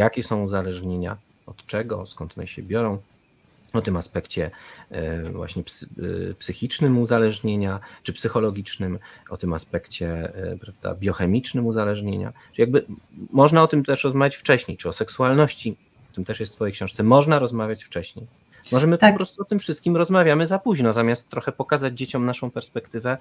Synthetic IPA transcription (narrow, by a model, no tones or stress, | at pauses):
jakʲɛsɔ̃w̃uzalɛʐɲeɲa̰ | ɔt̪t͡ʂɛɡɔ̰skɔnt̪ɔnɛ̰ɕɛ̰bʲjɔɾɔ̃w̃ | ɔt̪ɨmaspɛkt͡ɕɛ | vwa̰ɕɲɛpspsɘxʲit͡ʂnɘmuzalɛʐɲeɲat͡ʂɨpsɘxɔlɔɡʲit͡ʂnɘmɔ̰t̪ɘmaspɛkt͡ɕɛpɾavd̪a̰bʲjɔxɛmʲit͡ʂnɘmuzalɛʐɲeɲa̰ʈ͡ʂjaɡ̚bɘmɔʐnaɔt̪ɘmt̪ɛʂɾɔzmavʲat͡ɕft͡ʂɛɕɲejt͡ʂɘɔsɛksualnɔɕt͡ɕi | ɔt̪ɘmt̪ɛʂjɛst̪fɔjejkɕɛ̃ʂt̪sɛmɔʐnaɾɔzmavʲjat͡ɕft͡ʂɛɕɲej | mɔʐɛmɘɔpɾɔst̪uɔt̪ɘmfʂɨst̪̚kʲimɾɔzmavʲjamɘzapuʑnɔzamʲjast̪ːɾɔxɛpɔkazad͡ʑd͡ʑet͡ɕɔmnaʂɔ̃w̃pɛɾspɛkt̪ɘvɛ